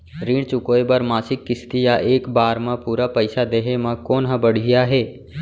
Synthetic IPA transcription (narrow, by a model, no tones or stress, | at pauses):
ɾiːɽ̃t͡ʃʊkoːebəɾmaːsɪkːɪst̪ijaʔeːkbaːɾmãpuːɾapəɪsad̪eːɦemãkoːnɦãbəɽ̤ɪjaɦɛː